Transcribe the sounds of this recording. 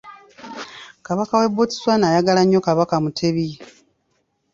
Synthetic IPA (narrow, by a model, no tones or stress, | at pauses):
kaβakawe̞buti̥swanaːjaɡalaɲːo̞kaβakamutʰeβi